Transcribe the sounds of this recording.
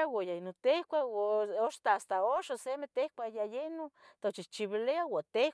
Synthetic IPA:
awajainot̪ehkʷaoʃt̪aast̪aoʃosemet̪ehkʷajajenot̪ot͡ʃit͡ʃiβileawat̪e

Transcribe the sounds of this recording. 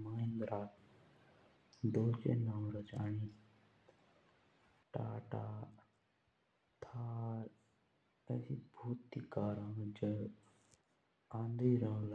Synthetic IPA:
maːĩnd̪ɾaː | d̪oːt͡ʃḛnaːwɾət͡ʃaːnĩː | ʈa̰ːʈaː | t̪ʰaːɾ | esibʱuːt̪ːikaːɾãːd͡ʒə | ãːnd̪iːɾə̃l

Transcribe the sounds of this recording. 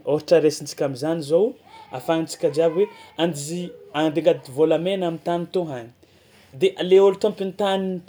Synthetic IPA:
oɾiʈ͡ʂəɾesint͡si̥kʲamizanizow | a̰faint͡si̥kʲad͡ʒiabweand̪iziand̪iŋɡad̪ivolamenamit̪anit̪oɦani̥ | d̪eʔaleolut̪ompint̪anin

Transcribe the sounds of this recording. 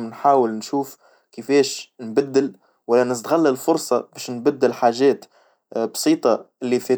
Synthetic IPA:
nħaːwɪlnʃuːf | kəfɛːʃnbad̪ːɪl | wælːænɪs̬t̪ɣalːɪlfʊɾsˤɑbɛːʃnbæd̪ːɪlħaːʒɛːt̪ | bsˤiːt̪ˤɑʔɪlːifɛː

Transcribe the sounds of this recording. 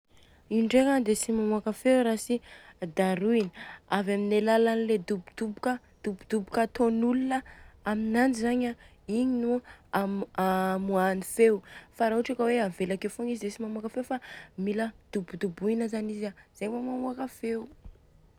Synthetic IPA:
iɳɖ͡ʐekand̪esimamuakafewɾasid̪aɾuiniavaminelalanled̪ubud̪ubukə | d̪̥ubud̪̥ubukət̪onulunəaminand͡ʒizaɲa | iɲinu | amuanifewfaɾaɦuʈ͡ʂakəweavelakewfoŋizid̪esimamuakafewfamiləd̪̥ubud̪ubuinəzanizaz̥eɲmamamuakafeu

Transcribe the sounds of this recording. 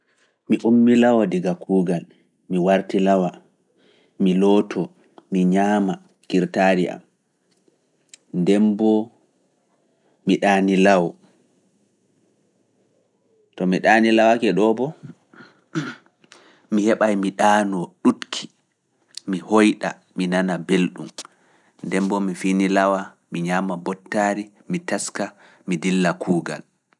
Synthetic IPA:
miʔumːilawadiɡakuːɡal | miwaɾtilawa | milɔtʰɔ | miɲaːma | kiɾtaɾiʔa̰m | ndɛmbɔ | miɗaːnilawɔ | tɔmiɗaːnilawakɛɗɔbɔ | mihɛɓajmiɗaːnɔɗutkʰi̥ | mihojɗa̰ | minanabelɗṵm | ndɛmbɔmifinilawa | miɲaːmabɔtːaːɾi | mitaska | midilːakʰuːɡa̰l

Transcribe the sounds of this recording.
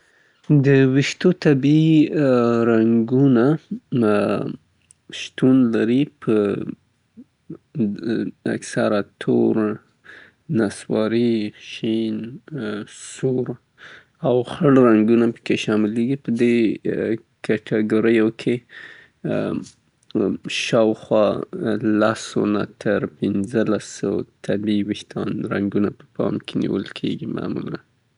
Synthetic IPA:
d̪əwɪʃt̪ot̪abi | ɾaŋɡuna | ʃt̪unlaɾipʰə | a̰ksaɾat̪ʰo̰ɾ | naswɑɾiʃin | suɾ | awxəɽɾaŋɡunapə̥keʃɑmɪleɡipəd̪e | kaʈʰaɡoɾəjokʰe | ʃɑwxwɑlaso̰na̰t̪ʰəɾpɪnzəlasəwt̪ʰabiwixt̪ʰɑnɾaŋɡunapə̥pɑ̰mkʰenḭwə̰lkʰḛɡima̰mula̰n

